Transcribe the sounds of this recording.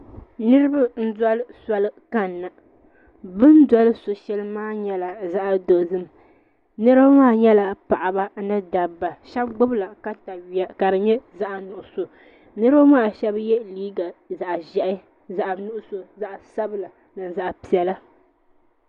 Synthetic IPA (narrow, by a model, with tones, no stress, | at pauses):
nɨ˦ɾɨ˦ba˦n̩˦dɔ˦lɨ˦sa˦lɨ˦ka˦nːa˨ | bɨ˦n˦da˦lɨ˦so˨ʃɛ˦lɨ˦maː˦ɲɛ˦la˨za˦ʔa˨do˨zɨ˦m˨ | nɨ˦ɾa˦maː˦˨ɲɛ˦la˨pa˨ʔa˨ba˦nɨ˦da˨bːa˨ʃɛ˦bɡ͡bʊ˦bla˨ka˨ta˨ka˨dɨ˨ɲɛ˦za˦ʔa˨nʊ˨ʔʊ˨so˨ | nɨ˦ɾba˦maː˦˨ʃɛ˦bjɛ˦liː˦ɡa˨za˨ʔʒɛ˨ʔɪ˦ | za˨ʔnʊ˦ʔʊ˦so˨za˦ʔsa˦bɨ˦la˨ | nɨ˨za˨ʔpi˨ɛ˨la˦